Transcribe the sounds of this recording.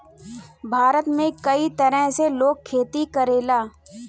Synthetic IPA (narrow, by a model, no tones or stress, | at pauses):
bʱaːɾət̪mẽkɐit̪ɐɾə̃ɦseloːɡ̚kʰːeːt̪ikəɾeːlaː